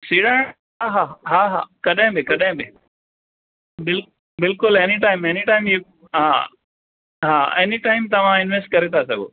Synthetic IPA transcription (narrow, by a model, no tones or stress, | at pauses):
siːɽã | ɦaɦaɦaːɦa̰ːkɐɗɦɪ̃bɪkɐɗɪ̃bɪ | bɪl | bɪlkʊleniʈaːɪ̃meniʈaːɪ̃mi | ɦa | ɦaːeniʈaːɪmt̪ɐʋ̤ãɪnʋesʈ̚kɐɾet̪ʰasɐɡo̰ː